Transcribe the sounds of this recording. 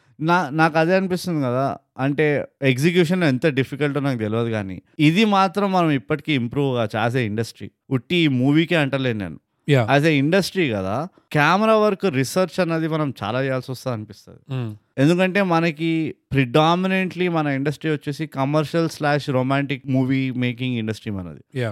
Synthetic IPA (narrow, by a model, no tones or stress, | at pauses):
naːnaːkɐd̪e̞ːɐnipist̪und̪ikɐd̪a̰ː | ɐɳʈe̞ːeks̬ikjuːʂ̬ɐnlent̪ɐɖipʰikɐɭʈoːnaːkut̪eliʋɐːd̪iɡaːnḭːid̪imaːt̪ɾɐmːɐnɐmipːɐʈi̥kiːimpɾuːʋɡaːt͡ʃa̰ːs̬eiɳɖɐsʈɾḭː | uʈːiːmuːʋiːkeːɐɳʈɐleːd̪nḛːnu | jaaːs̬eiɳɖɐsʈɾiːkɐd̪a̰ː | kjaːmɛɾaːʋɐɾkuɾisɐɾt͡ʃɐnːɐd̪imɐnɐmt͡ʃa̰ːlaːɛjaːlsɔst̪aːɐnipist̪ɐ̰ːd̪ie̞nd̪ukɐɳʈe̞ːmɐnɐkipɾiɖaːmineɳʈlimɐnɐiɳɖɐsʈɾiːʋɐt͡ʃːeːsikɐmɐɾʂɐlslaːʂɾoːmaːɳʈikmuːʋiːmeːk̬iŋɡiɳɖɐsʈɾiːmɐnɐ̰d̪ia